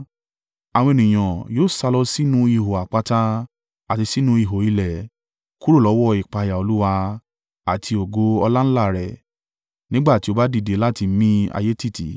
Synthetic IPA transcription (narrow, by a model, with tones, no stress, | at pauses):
a˨w̃ɔ̃˧e˨nĩ˨j̃ɔ̃˨joː˦˨sa˧lɔ˧si˦nũ˦i˧˨ɦo˨a˨k͡pa˧ta˦ | a˨ti˧si˦nũ˦i˦˧˨ɦo˨i˦˧lɛ˨ | ku˦ɾo˦˨lɔ˨˦wɔ˦˨i˨k͡pa˧˨ja˨o˧lu˦wa˧ | a˨tʰi˧o˨ɡo˧˦ɔ˧la˦n̩˦la˦˨ɾɛ˨ | nĩ˦ɡ͡ba˦˨ti˨˦o˧ba˦di˦˧˨de˨˦la˦˨ti˧˦mĩ˦a̰˧je˦ti˦˨tḭ˨˦